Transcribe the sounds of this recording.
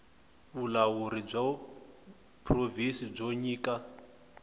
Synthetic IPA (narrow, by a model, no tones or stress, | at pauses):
βulawuɾib͡ʐɔ | pʰʼrovinsib͡ʐoɲiːka